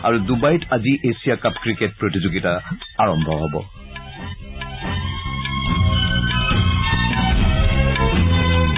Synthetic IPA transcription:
a̰ɹudubajtaziʔesijakapkɹiket̚pɹotizoɡitaaɹɔmbʱɔɦɔbɔ̰

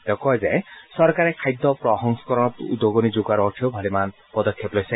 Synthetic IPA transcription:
t̪ekɔjzejsɔɾkaɾekʰajd̪ːɔpɾɔɦɔŋsɔ̥kɔɾɔnt̪d̪oɡɔnid͡ʒuɡaɾɔʈʰiobʱɔliman | pɔd̪ɔkʰjeplɔjse

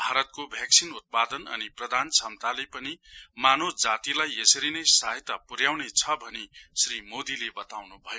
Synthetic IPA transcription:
bʱaɾʌt̪̚kobʱjak̚sʰinut̪̚pad̪ʌnʌ̰niprʌd̪ʱant͡sʰamt̪alepʌnimanod͡zat̪ilajesʌɾinʌjsaɦet̪ːapuɾjawnet͡sʰʌbʱʌnesrimod̪ilebʌt̪awnubʱʌjo

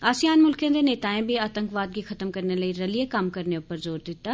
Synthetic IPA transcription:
aːsijaːnmʊlkjẽd̪eneːt̪aːẽbʱiaːt̪ə̃ŋkʋaːd̪̚ɡixɐt̪əmkɐɾnelɐiɾɐlijekaːmkɐɾneʊpəɾzoːɾd̪ɪt̪ːaː

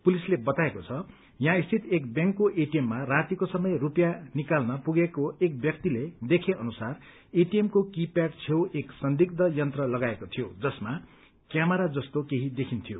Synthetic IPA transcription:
pulislebʌt̪aekot͡sʰʌ | jãist̪ʰit̪ek̚bjaŋkːoʔeʈiemːarat̪ikosʌmʌjrupjanikalnʌpuɡekoek̚bjʌk̚t̪iled̪ekʰeʔʌnusar | eʈijemkokipjaʈt͡sʰeweksʌnd̪ik̚d̪ʌjʌnt̪rʌlʌɡaekot̪ʰijod͡zʌsma | kjamʌɾad͡zʌst̪okeɦid̪ekʰint̪ʰijo

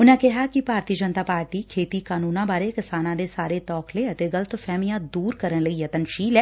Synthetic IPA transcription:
ʊnãːkɪɦaːkɪpaːɾt̪iːd͡ʒənt̪aːpaːɾʈiːkʰeːt̪iːkaːnuːnãːbaːɾeːkɪsaːnãːd̪eːsaːɾeːt̪ɔːkʰleːət̪eːɡələt̪fʰɛːmɪjãːd̪uːɾkəɾənləiːət̪ənʃiːlɛː

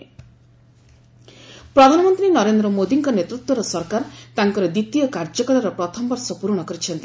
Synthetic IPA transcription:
pɾɔd̪ʱanɔmɔnt̪ɾinɔɾend̪ɾɔmod̪iŋkɔnet̪ɾut̪wɔɾɔsɔɾkaɾt̪aŋkɔɾɔd̪it̪ijɔkaɾd͡ʒɔkɔlaɾɔpɾɔt̪ʰɔmbɔɾsɔpuɾɔɽ̃ɔkɔɾit͡ʃʰɔnt̪i

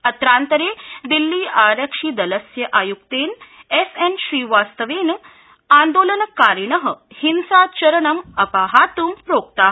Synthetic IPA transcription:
ɐt̪ɾaːnt̪əɾeːd̪ilːiːaːɾɐkʂiːd̪ɐləsjɐʔajukt̪eːnesenɕɾiːʋaːst̪əʋeːn | aːnd̪oːlənɐkaɾɳəɦəhinsaːt͡ɕɐɾɐɳɐmɐpaːɦaːt̪uːmpɾoːk̚t̪aːɦ

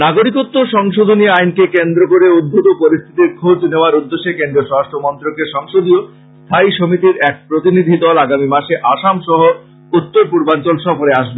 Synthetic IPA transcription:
naɡoɾikot̪ːoʃɔŋʃod̪ʱoniajnkekend̪ɾokoɾeud̪̚bʱut̪opoɾist̪ʰit̪iɾkʰod͡ʑneoaɾud̪ːeʃekend̪ɾioʃɔɾaʃʈʰomɔnt̪ɾokeʃɔŋʃod̪ʱio | st̪ʰajʃomit̪iɾɛk̚pɾot̪inid̪ʱid̪ɔlaɡamimaʃeʔaʃamʃɔɦo | ut̪ːoɾpuɾbant͡ɕolʃɔfoɾeaʃbe

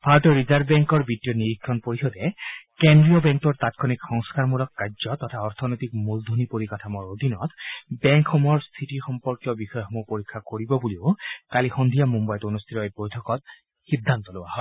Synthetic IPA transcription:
pʰaɹɔtɔɹizaɹbbɛŋkɔɹbitijɔniɹikʰːɔnpoɹixɔdɛkendɹijɔbɛŋkɔɹt̪atkʰɔnikxɔŋskaɹmulɔkːajzɔt̪ɔtʰaɔɹt̪ʰɔnɔjt̪ikmuld̪ʱonipoɹikatʰamɔɹod̪ʱinɔt̪bɛŋkʰxɔmɔɔɹst̪ʰitiɹxɔmpɔɹkjɔbixɔjɔxɔmɔpoɹikʰːakoɹibɔbuliʊkalixɔnd̪ʱijamumbajtonust̪ʰitɔbojtʰɔkɔt̚ | xid̪ʱːant̪ɔloa̰hɔj

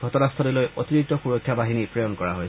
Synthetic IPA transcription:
ɡʱɔtɔnastʰɔdilojʔot̪inik̚t̪ɔxuɹɔkʰːjabaɦinipɹejonkɔɹaɦoj

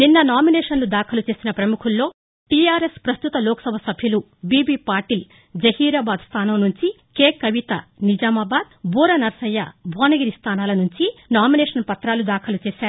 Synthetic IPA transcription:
ninːɐnaːmineːʂɐnlud̪aːkʰɐlut͡ʃe̞ːsinɐpɾɐmukʰulːo̞ː | ʈijaːɾespɾɐst̪ut̪ɐloːkɐ̥sɐbʱɐsɐbʱjulu | biːbiːpaːɾʈiːl | d͡ʒɐhiːɾɐːbaːd̪st̪ʰaːnɐmnuɲt͡ʃi | keːkɐʋit̪ɐnid͡ʒaːmɐbaːd̪̚buːɾɐnɐɾsɐjːɐ̰bʱoːnɐɡiɾist̪ʰaːnaːlɐnuɲt͡ʃinaːmineːʂɐnpɐt̪ɾaːlud̪aːkʰɐlut͡ʃeːʃaːɾu

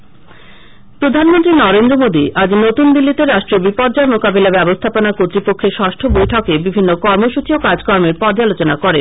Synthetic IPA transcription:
pɾod̪ʱanmont̪ɾinɔɾend̪ɾomod̪iʔad͡ʑnot̪und̪ilːit̪eɾaʃʈɾobipɔɾd͡ʑaemokabelabɛbost̪ʰaponakot̪ːɾipokʰːeʃɔʃʈʰobojʈʰɔkebibʱinːokɔɾmoʃut͡ɕiokad͡ʑkɔɾmeɾpɔd͡ʑalot͡ɕonakɔɾen

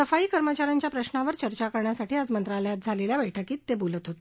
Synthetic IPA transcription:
səfaiːkəɾmət͡ɕaɾaɲt͡ɕjapɾəɕnaʋəɾt͡ɕəɾt͡ɕakəɾɳjasaʈiːad͡zmənt̪ɾaləjat̪̚d͡zʱaleljabəjʈʰəkiːt̪ːebolət̪ɦot̪e

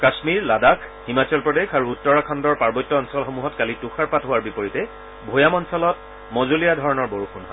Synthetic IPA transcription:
kasmiɹladakʰ | himat͡ɕɔlpɹɔdexaɹuːtːɔɹakʰandɔɹpaɹbɔjtːɔːnsɔlxomuɦɔtkalituxaɹpatɦʊaɹbipɔɹitɛ | bʱojamɔnsɔlɔt̚ | mozulijadʱɔɹɔnɔɹboɹuxunɦɔj

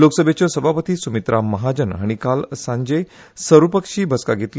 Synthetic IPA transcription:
loksəbʱjet͡ɕasəbʱapət̪iːsumit̪ɾʔaməɦad͡ʑənɦa̰ɽ̃ikalsãɲd͡ʑe | səɾupəkʂiːbʱəska̰ɡʱet̪l

